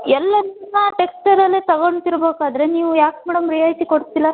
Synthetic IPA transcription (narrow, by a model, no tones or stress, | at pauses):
ɛlːɐnunːɐʈeksʈɐɾɐlːet̪ɐɡoɳt̪iɾɐbeːkaːd̪ɐɾe̞niːʋujaːkmɛːɽɐmɾijajt̪ikoɽst̪ːilːɐ